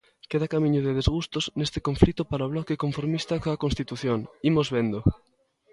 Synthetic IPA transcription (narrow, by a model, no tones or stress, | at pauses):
keðakamĩɲʊðeðezɣust̪oznest̪e̥koɱflit̪ʊpaɾaoβ̞lɔkekoɱfoɾmist̪akoɐkõnst̪it̪uθjoŋimozβend̪o